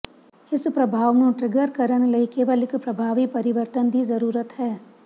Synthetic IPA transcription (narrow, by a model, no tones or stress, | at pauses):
ɪspɾɐbʱaːʋnũʈɾɪɡəɾkəɾəñlɐikeːʋəlɪkpɾɐbʱaːʋipɐɾɪʋəɾt̪ənd̪izɐɾuːɾət̪ɦɛː